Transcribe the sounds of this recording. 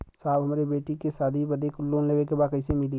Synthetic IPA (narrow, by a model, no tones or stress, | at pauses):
saːbɦɐmaːɾebeːʈikesaːd̪ʱibɐd̪ekloːnleːʋekebaːd̪kəɪsemɪli